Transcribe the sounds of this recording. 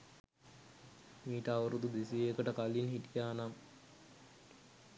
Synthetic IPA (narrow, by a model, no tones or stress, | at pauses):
miːʈəaʋəɾud̪ud̪esieːkəʈəkalːinɦiʈijaːnam